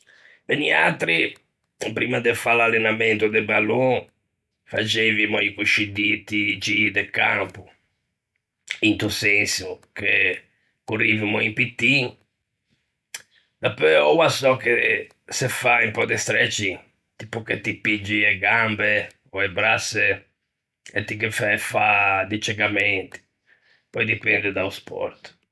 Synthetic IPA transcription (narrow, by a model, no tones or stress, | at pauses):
benia̰t̪ɾi | pɾimad̪efalalːɛnamɛnt̪ud̪ɛbalo | fat͡ʃevimɔikuʃid̪it̪id͡ʒid̪ɛkampu | int̪usensuke | kurivimɔimpit̪ːi | d̪̥apɛɔwasɔke | sefaimpɔd̪ɛst̪ɾɛt͡ʃi | t̪ipuket̪ipid͡ʒiɛɡambe | ɔɛbɾase | ḛt̪ːikɛfɛɛfad̪it͡ʃɛɡamɛnt̪i̥ | pɔjd̪ipɛnd̪ɛd̪auspɔ̰ɾt̪